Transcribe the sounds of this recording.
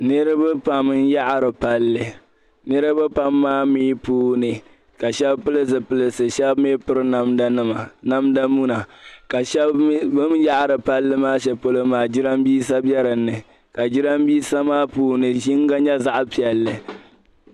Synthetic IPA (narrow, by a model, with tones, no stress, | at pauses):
nɨ˦ɾɨ˦bɨ˦pa˨m˦n˦ja˦ʔɾɨ˨pa˦lːɨ˨ | nɨ˦ɾɨ˦bɨ˦pa˦mːaː˦mi˦puː˦nɨ˨ | ka˨ʃɛ˦bpɨ˦lɨ˦s̬ɨ˨pɨ˦lɨ˦˨sɨ˨ʃɛ˦bmi˦pɨ˦ɾɨ˦na˦mda˦nɨ˦ma˨na˦mda˦mu˦na˨ka˨ʃɛ˦bbɨ˦m˦ja˦ʔɾɨ˨pa˦lːɨ˦maː˦ʃɛ˨po˦lo˦maː˨d͡ʒɪ˦ɾa˦mbiː˦sa˦bjɛ˦ɾɨ˨nːɨ˨ | ka˨d͡ʒɪ˦ɾa˦mbiː˦sa˦maː˦puː˦nɨ˨ʒi˦ŋ˦ɡa˦ɲɛ˦za˦ʔpi˨ɛ˨lːɨ˨